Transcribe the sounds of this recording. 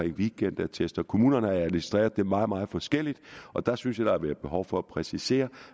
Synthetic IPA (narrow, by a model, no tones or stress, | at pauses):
ɛŋ̰ʋiɡ̥en̰d̥æɐt͡sʰesd̥ɐkʰo̝mṵːnɐnəhɑ̈æɐminisd̥ʁḛːɐð̞ˠd̥emɑ̈ːð̩ˠmɑ̈ːð̞̩ˠfɒ̽sɡ̥el̰id̥ɒ̽d̥ɑ̈synsjɑ̈d̥ɑ̈æʋæɐb̥e̝ɦɒʊfɒ̽æpʰʁɛsise̝̰ːɐ